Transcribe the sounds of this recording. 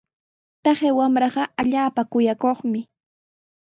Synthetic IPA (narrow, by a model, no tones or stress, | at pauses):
t̪ɑχewamɾɑɢɑaʎaːpakʊjakoχmɪ